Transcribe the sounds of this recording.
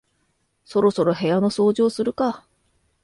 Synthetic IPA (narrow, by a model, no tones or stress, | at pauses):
so̞ɾo̞so̞ɾo̞ɦe̞jano̞so̞ːʑo̞ːsɨɾɯ̟ka